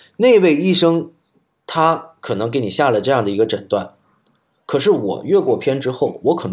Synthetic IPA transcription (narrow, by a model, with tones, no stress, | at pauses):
ne˥˧ɪwe˥˧ɪi˥˩ʂɤ˥ŋ | t̪ʰa˥kʰɤ˨˩nɤ˧˥ŋke˧˥ɪni˨˩ɕja˥˩lə˩ʈ͡ʂɤ˥˧jɑ˥˩ŋd̪ə˩i˧˥ɡə˧ʈ͡ʂə˨˩nt̪wa˥˩n | kʰɤ˨˩ʂɻ̩˥˩wɔ̰˨˩ɥɛ˥˧kwɔ˥˩pʰjɛ˥nʈ͡ʂɻ̩˥xo˥˩ʊwɔ˧˥kʰɤ˨˩n˧